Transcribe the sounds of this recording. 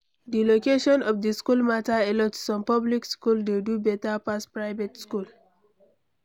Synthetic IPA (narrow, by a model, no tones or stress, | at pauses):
dilokeʃɔ̃nɔfdiskulmataɛlɔtssɔ̃mpɔblikskuldedubɛtapaspɹaɪvetskul